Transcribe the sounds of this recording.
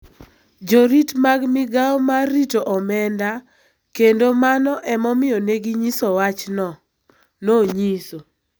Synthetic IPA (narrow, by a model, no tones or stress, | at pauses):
d͡ʒoɾitmaɡmɪɡaɔmaritoʔɔmɛnda | kendomanɔʔɛmɔmɪjɔneɡiɲisɔwat͡ʃnɔ | noɲiso